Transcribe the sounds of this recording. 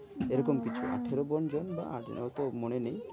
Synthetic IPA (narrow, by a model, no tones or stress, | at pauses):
eɾɔkɔmkit͡ʃʰuʔa̰ʈʰeɾobɔnd͡ʒonba̰ʔa̰d͡ʒo̰nɔt̪omonenej